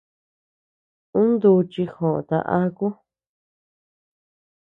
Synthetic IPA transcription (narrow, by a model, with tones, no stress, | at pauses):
ũ˦nd̪u˧t͡ʃi˧xõ˨ʔt̪a̰˧ʔa˦ku˦